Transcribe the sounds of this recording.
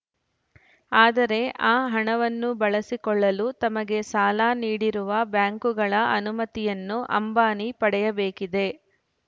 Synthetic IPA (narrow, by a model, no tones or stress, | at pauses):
aːd̪ɐɾe̞ʔaːɦɐɳɐʋɐnːubɐɭɐsikɔɭːɐlut̪ɐmɐɡe̞saːlaːniːɽiɾuʋɐbjaːŋkuɡɐɭɐʔɐnumɐt̪ijɐnːuʔɐ̰mbaːnipɐɽɛjɐbeːkid̪e̞